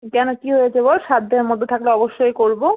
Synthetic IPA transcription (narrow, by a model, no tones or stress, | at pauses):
kɛnokiɦojed͡ʑeboʃad̪d̪eɾmod̪ʱot̪ʰakleɔboʃːojkoɾbo